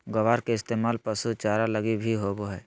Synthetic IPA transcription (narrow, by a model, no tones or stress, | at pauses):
ɡɐʋaːɾkeɪst̪eːmaːlpəsut͡ʃaːɾalɐɡibʱiɦoːboɦɛː